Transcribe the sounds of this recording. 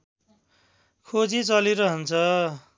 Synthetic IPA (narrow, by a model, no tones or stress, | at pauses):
kʰod͡zit͡sʌliɾʌɦʌnt͡sʰʌ